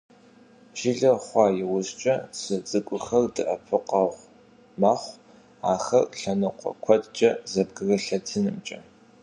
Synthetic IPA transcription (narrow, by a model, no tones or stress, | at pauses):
ʒ̥ɪɮɐχʷɑːjɪwʊzt͡ʃʼɐsɨt͡sʼɨkʷʼʊxɐrdɨʔɐpʰɨqʼɑʁʷ | maχʷ | aːxɐ̰rɬɐnɨqʷʰʼɔ̰kʷʰɐtʼt͡ʃʼɐzɐb̚ɡɨrɐɬɐtʰɨnɨmt͡ʃʼɐ̰